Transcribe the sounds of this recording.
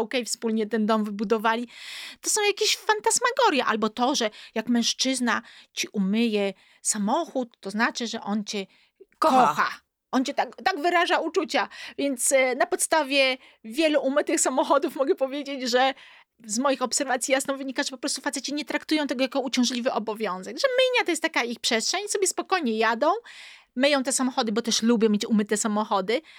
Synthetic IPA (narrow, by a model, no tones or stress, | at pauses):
ɔkɛjfspulɲɛt̪ɛnd̪ɔmvɘbud̪ɔvalʲit̪ɔsɔ̃w̃jakʲeɕfant̪asmaɡɔɾjɛʔa̰lbɔt̪ɔʐɛjakmɛ̃ʂt͡ʂɘznat͡ɕiʔumɘjɛ | samɔxut̪ːɔznat͡ʂɘʐɛʔɔnt͡ɕɛ | kɔɔxa̰ | ʔɔnt͡ɕɛt̪akt̪aɡvɘɾaʐaut͡ʂut͡ɕavʲjɛnt̪snapɔt̪st̪avʲjɛ | vʲjɛluʔumɘt̪ɘxsamɔxɔd̪ufmɔɡɛpɔvʲjed͡ʑed͡ʑʐɛ | zmɔjixɔpsɛɾvat̪sʲjijasnɔ̃w̃vɘɲikaʐɛpɔpɾɔst̪ufat̪sɛt͡ɕɛɲɛt̪ɾakt̪ujɔw̃t̪ɛɡɔjakɔut͡ɕɔ̃w̃ʐlʲivɘʔɔbɔvʲjɔ̃w̃zɛɡʐɛmɘɲat̪ɔjɛst̪ːakaixpʂɛstʂɛɲsɔbʲjɛspɔkɔjɲɛjad̪ɔ̃w̃ | mɘjɔ̃w̃t̪ɛsamɔxɔd̪ɘbɔt̪ɛʂlubʲjɔ̃mʲjet͡ɕumɘt̪ɛsamɔxɔd̪ɘ